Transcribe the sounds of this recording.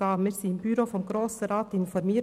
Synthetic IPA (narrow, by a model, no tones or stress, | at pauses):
ɑːməɾsiːnbʏɾoːfɔmɡɾoːsəɾɑːt̪ɪnfɔɾmeː